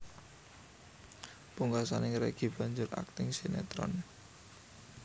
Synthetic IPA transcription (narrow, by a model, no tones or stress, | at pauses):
puŋɡasanɪŋɾeɡ̥ib̥a̤ɲd͡ʒʊrʔa̰k̚t̪ɪŋsenet̪ɾɔ̰n